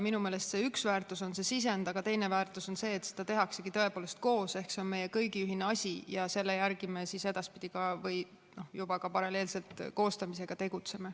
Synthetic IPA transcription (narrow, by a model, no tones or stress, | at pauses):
minumeːle̞st̪se̞ːyksvæːrt̪ˑuso̞nse̞sis̬e̞nd̪ɑɡ̥ɑt̪e̞jne̞væːrt̪ˑuso̞nse̞ːt̪se̥d̥̪ɑt̪e̞ɦɑkse̞kit̪ɤepoːle̞st̪̚ko̞ːse̞hkseo̞nme̞jekɤjɡ̥iyɦineɑsʲijɑse̞lːe̞jærɡ̥imesise̞d̪̥ɑspid̪̥iɡ̥ɑvɯj | no̞jub̥ɑkɑpɑɾɑleːlse̞lt̪ko̞ːst̪ɑmise̞ɡ̥ɑt̪e̞ɡ̥ut̪se̞me